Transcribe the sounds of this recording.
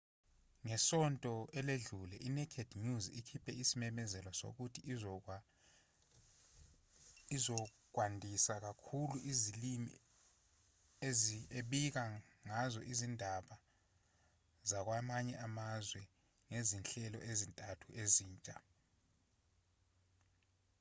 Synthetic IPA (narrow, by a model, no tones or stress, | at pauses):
ŋɛsɔntʼɔɛleɮulɛʔinɛkʰed̥ɲuzikʰipʰɛisimɛmɛzɛlɔso̰k̬utʰi | izɔ | k̬wandʱisak̬akʰuluʔizilimḭ | ezieɓik̬aŋazɔʔizindʱaɓa | zak̬wamaɲɛʔamazwɛ | ŋezinɬɛlɔ̰ʔezintʼatʰuʔeziːnt͡ʃʼa